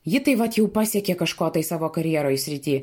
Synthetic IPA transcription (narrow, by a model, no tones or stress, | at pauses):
jɪt̪ɐɪʋɐt̪jɛʊpɑːsʲɛkʲeːkɐʃkoːt̪ɐɪsɑːʋoːkɐɾʲjiɛɾoːjsʲɾʲɪt̪ʲiː